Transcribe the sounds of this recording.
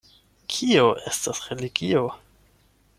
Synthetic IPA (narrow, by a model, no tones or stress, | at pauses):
kʰio̞ʔe̞stasɾe̞liɡio̞